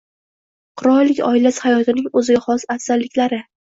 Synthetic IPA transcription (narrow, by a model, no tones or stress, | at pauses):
qʰʊɾɒɾlɪkʲɒ̰ɪlashajɒt̪ɪnɪŋɵzɪɡʲaχɒsasːaɾlːɪkʲlaɾɪ